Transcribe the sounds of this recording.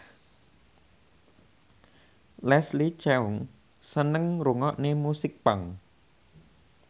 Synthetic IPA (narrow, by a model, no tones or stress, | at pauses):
lɛslit͡ʃɛʊŋ | sənəŋɾuŋɔʔnemusɪk̚paŋ